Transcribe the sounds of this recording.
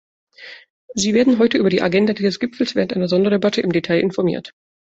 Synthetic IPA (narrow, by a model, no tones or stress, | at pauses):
ziːveːɐdn̩ɦɔʏtəʔyːbɐdiːʔaɡɛndadiːzəsɡ̥ɪpfl̩sv̥eːʁəntʔaɪnɐzɔndɐdebatʰəʔɪmdetʰaɪʔɪnfɔɐmḭːɐt